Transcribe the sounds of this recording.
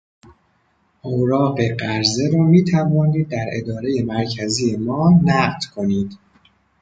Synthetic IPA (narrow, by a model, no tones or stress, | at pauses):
ʔowɾɒːɢe̞ɢæɾze̞ɾɒːmiːt̪ʰævɒːniːd̪̚ːæɾe̞d̪ɒːɾe̞je̞mæɾcʰæzijemɒːnæɢd̪̥kʰo̞niːd̪̥